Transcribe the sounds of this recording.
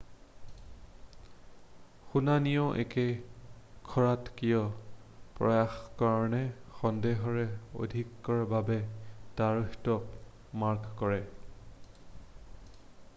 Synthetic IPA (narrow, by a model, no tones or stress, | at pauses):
xunanijɔʔɛ̰kɛ | kʰɔɹatkijɔ | pɹɔ̰jaxkaɹɔnɛxɔndeɦɔɹɛo̰dʱikːɔɹababɛtaɹuxtɔp | maɹkkɔɹɛ